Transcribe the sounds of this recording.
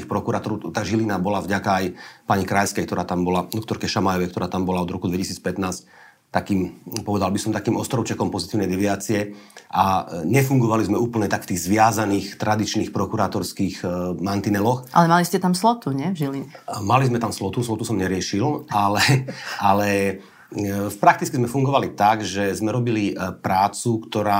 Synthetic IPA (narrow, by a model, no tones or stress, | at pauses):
ixpɾɔkuɾaːt̪ɔɾɔt̪aɡʒilinabɔlavɟakaajpaɲikɾajskɛjkt̪ɔɾaːt̪ambɔlad̪ɔk̚t̪ɔɾkɛʃamajɔʋɛjkt̪ɔɾaːt̪ambɔlaɔd̪ɾɔkud̪ʋɛcisiːt͡spɛt̪naːsc̚ | t̪akiːmpɔʋɛd̪albisɔmt̪akiːmɔst̪ɾɔʊt͡ʃɛkɔmpɔzit̪iːʊnɛjd̪ɛʋɪaːt͡siɛʔaɲɛfuŋɡɔʋalizmɛuːpl̩ɲɛt̪akft̪iːɣzʋɪazaniːxt̪ɾad̪it͡ʃniːxpɾɔkuɾaːt̪ɔɾskiːɣmant̪inɛlɔxʔa̰lɛmaliscɛt̪amslɔt̪uɲɛvʒiliɲɛmalizmɛt̪amslɔt̪uslɔt̪usɔmɲɛɾɪɛʃilalɛalɛ | fpɾak̚t̪it͡skizmɛfuŋɡɔʋalit̪aɡʒɛzmɛɾɔbilipɾaːt͡sukt̪ɔɾaː